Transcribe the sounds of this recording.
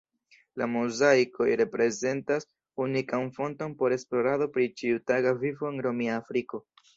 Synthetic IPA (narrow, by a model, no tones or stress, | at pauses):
la̰muzajko̞jɾe̞pɾe̞ze̞ntas | unikanfo̞nto̞npo̞ɾe̞splo̞ɾaðo̞pɾit͡ʃiutaɡavifo̞enɾo̞miaːfɾiko̞